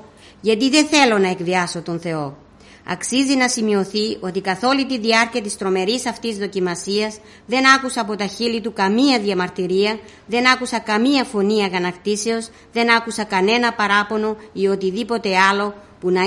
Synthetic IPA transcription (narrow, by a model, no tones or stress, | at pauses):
ʝɐt̪iðe̞θe̞lo̞nɐe̞kviɐso̞t̪o̞nθe̞o̞ | ɐ̰ksizinɐsimio̞θio̞t̪ikɐθo̞lit̪iðiɐɾciɐt̪ist̪ɾo̞me̞ɾisɐft̪izðo̞cimɐsiɐz | ðe̞nɐkusɐːpo̞t̪ɐçilit̪ukɐmiɐðiɐmɐɾt̪iɾiɐ | ðe̞nɐkusɐkɐmiɐfo̞niɐɣɐnɐkt̪ise̞o̞z | ðe̞nɐkusɐkɐne̞nɐpɐɾɐpo̞no̞io̞t̪iðipo̞t̪e̞ɐlo̞ | punɐ